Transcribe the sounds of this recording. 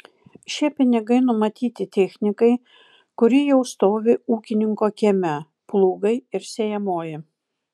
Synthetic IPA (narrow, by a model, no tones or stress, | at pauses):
ʃʲiɛpʲɪnʲɪɡɐɪnʊmɐt̪ʲiːt̪ʲɪt̪ʲɛˑxʲnʲɪkɐɪ | kʊɾʲiːjɛʊst̪oːʋʲɪuːkʲɪnʲɪŋkoːkʲɛmʲɛ | plˠuːɡɐɪɪɾsʲejɛmoːjɪ